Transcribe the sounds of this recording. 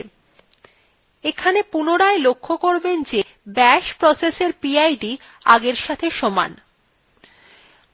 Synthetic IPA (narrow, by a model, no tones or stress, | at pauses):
ekʰanepunoɾaelokʰːokoɾbend͡ʑe | bɛʃpɾɔseseɾpiajɖi | aɡeɾʃat̪ʰeʃɔma̰n